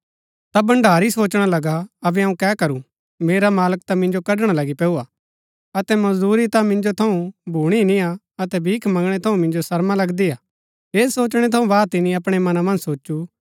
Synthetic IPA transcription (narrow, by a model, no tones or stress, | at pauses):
t̪abɐ̃ɳɖʱaːɾisoːt͡ʃɽ̃alɐɡaɐbɛɦɐũkɛkɐɾu | meːɾamaːləkt̪amɪ̃nd͡ʒokɐɖɽ̃alɐɡipɛːua | ɐt̪ɛmɐzd̪uːɾit̪amɪ̃nd͡ʒot̪ʰɐũbʱuːɽ̃inĩja | ɐt̪ɛbʱiːkʰmɐ̃ŋɡɽ̃ɛt̪ʰɐũmɪ̃nd͡ʒosɐɾmalɐɡd̪iaː | eːsoːt͡ʃɽ̃ɛt̪ʰɐ̃ũbaːt̪ɪnĩɐpɽ̃emɐnamɐ̃nd͡ʒsoːt͡ʃːu